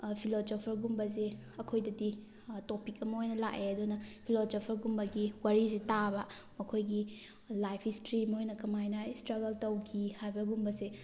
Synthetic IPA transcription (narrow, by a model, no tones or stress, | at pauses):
pʰilosopʰɐɾɡumbɐzeɐkʰojdɐdi | topik̚ɐmɐojnɐlakeɐdunɐpʰilosopʰɐɾɡumbɐɡiwaɾizetabɐ | mɐkʰojɡi | lajpʰistɾimɐojnɐkɐmajnɐistɾɐɡɐltɐwkʰihajbɐɡumbɐze